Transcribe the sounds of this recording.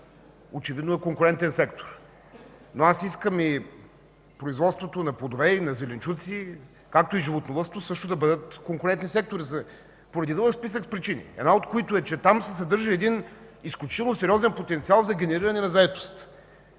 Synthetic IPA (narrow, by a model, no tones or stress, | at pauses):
ot͡ʃɛvid̪noɛkoŋkʊɾɛnt̪ɛnsɛkt̪o̥ɾ | noasiskəmi | pɾoizvɔt̪st̪vot̪onɐplˠod̪ovɛinɐzɛlɛnt͡ʃut̪si | kak̚t̪oiʒivot̪novˠəst̪osɤʃt̪od̪ɐbɤd̪ət̪koŋkʊɾɛnt̪nisɛk̚t̪oɾizə | poɾɐd̪id̪lˠəkspisəkspɾit͡ʃinḭɛ̰d̪naot̪koit̪oɛt͡ʃɛt̪amsɛsɐd̪ɤɾʒəɛd̪inisklʲut͡ʃit̪ɛlˠnosɛɾʲiɔzɛnpot̪ɛnt̪sialˠzɐɡʲɛnɛɾiɾɐnɛnɐzɐɛt̪o̥st̪